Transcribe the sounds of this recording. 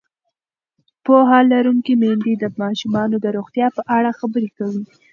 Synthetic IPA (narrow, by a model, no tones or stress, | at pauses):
poɦalaɾuŋkimend̪id̪əmɑʃumɑnod̪əɾoɣt̪jɑpəʔaɽaxabəɾekawi